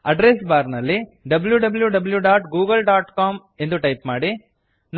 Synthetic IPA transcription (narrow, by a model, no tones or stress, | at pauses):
ɐɖɾes̬baːɾnɐlːiɖɐbljuɖɐbɐljuɖɐbljuɖaːʈɡuːɡɐlɖaːʈkaːm | e̞nd̪uʈɐjpmaːɽi | n